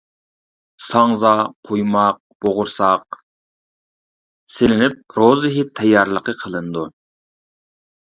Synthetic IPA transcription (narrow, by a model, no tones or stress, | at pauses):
sɑŋzɑqʰojmɑq̚b̥oʁʊɾsɑq̚ | selɪnɪp̚ɾozɨɦit̪ʰɛjːɑɾlˠəqəqʰəlˠɨnd̪u